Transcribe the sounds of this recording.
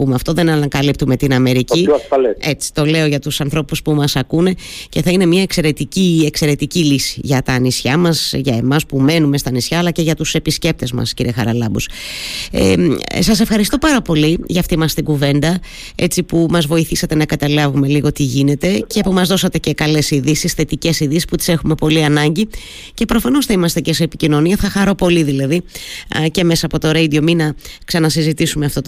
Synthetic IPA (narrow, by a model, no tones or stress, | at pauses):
pumeɐft̪o̞ðe̞nɐnɐŋkɐlip̚t̪ume̞t̪inɐme̞ɾicisfɐleet͡si̥t̪o̞le̞oʝɐt̪usɐnθɾo̞puspumɐsɐkune̞ce̞θɐine̞miɐekse̞ɾe̞t̪iciekse̞ɾe̞t̪icilisi̥ʝɐt̪ɐːnisçɐmɐsʝɐe̞mɐspume̞nume̞st̪ɐːnisçɐːlɐce̞ʝɐt̪use̞pisce̞p̚t̪e̞zmɐ̰sciɾiʔe̞xɐɾɐlɐbṵs | ḛsɐs̬e̞fxɐɾist̪o̞pɐɾɐpo̞liʝɐːft̪imɐst̪iɡuve̞nd̪ɐ | e̞t͡sipumɐzvo̞iθisɐt̪e̞nɐkɐt̪ɐlɐvume̞liɣo̞t̪iʝine̞t̪e̞cepumɐzðo̞sɐt̪e̞ce̞kɐle̞siðisisθe̞t̪ice̞siðisi̥sput̪i̥se̞xume̞po̞liɐnɐɲɟi | ce̞pɾo̞fɐno̞sθɐimɐst̪eceseːpicino̞niɐθɐxɐɾo̞po̞liðilɐðice̞me̞sɐːpo̞t̪o̞ɾeid̪io̞minɐksɐnɐsizit̪isumeɐft̪o̞t̪